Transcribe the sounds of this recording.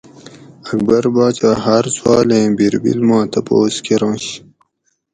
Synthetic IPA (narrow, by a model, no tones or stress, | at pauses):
ɐk̚bɐɾbaːt͡ɕaːɦaɾswɑːlẽːbiɾbḭlmãːt̪ɐpoːskeɾɑ̃ːɕ